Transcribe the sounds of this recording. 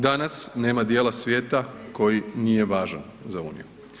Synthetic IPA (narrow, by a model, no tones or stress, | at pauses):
d̪anasne̞ːmad̪jeːlasʋje̞ːt̪ako̞jinije̞ʋaːʒa̰n | zauːnḭju